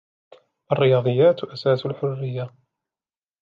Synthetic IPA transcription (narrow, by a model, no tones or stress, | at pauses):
ʔaɑrːɪjɑːd̪ˤɨjːaːt̪ʔasaːsalħʊrːɪjːa